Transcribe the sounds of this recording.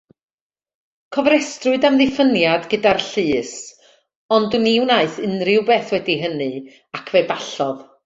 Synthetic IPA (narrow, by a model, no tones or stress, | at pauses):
kʰɔvɾɛstrʊɨdamðɪfənjadɡədarɬɨːs | ɔndʊniwnaɨθɨnrɪwbeːθwɛdiɦənɨ | akʰvɛɨbaɬɔð